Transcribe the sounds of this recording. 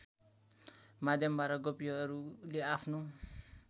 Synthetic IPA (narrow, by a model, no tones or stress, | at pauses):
mad̪ʱjʌmbaɾʌɡopijʌːɾuleapʰnu